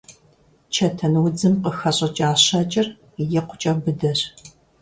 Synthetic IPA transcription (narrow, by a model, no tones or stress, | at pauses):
t͡ʃʰɐtʰɐnwʊd͡zɨmqəxɐɕʼɐt͡ʃʼaːɕɐt͡ʃʼɪr | jɛqʷʰʊ̥t͡ʃʼɐbɨdɐr